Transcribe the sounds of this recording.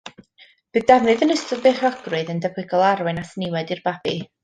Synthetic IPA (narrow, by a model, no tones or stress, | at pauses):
b̥ɨðdavnɨðənəstɔðbeːχɔɡ̥rɨðəndəvwɪɡɔlˠaɾwɨnasnɪwɛdɨrbab̥i